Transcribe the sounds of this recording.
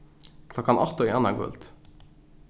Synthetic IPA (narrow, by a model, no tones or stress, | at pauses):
kʰlɔkɑnʔɑt̪ːoːɛnɑɡʊ̰lt̪